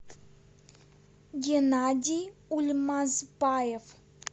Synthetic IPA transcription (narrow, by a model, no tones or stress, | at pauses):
ɡʲenad̪ʲiulʲmazbajev